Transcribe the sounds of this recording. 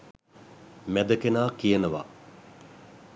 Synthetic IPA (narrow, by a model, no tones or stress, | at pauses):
mæd̪əkenaːkijənəʋa̰